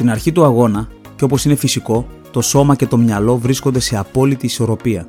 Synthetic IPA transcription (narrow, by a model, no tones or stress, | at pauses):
t̪inɐɾçit̪uɐɣo̞nɐ | ceo̞po̞sine̞fisiko̞ | t̪o̞so̞mɐce̞t̪o̞mɲɐlo̞vɾiskond̪e̞se̞ɐpo̞lit̪iːso̞ɾo̞piɐ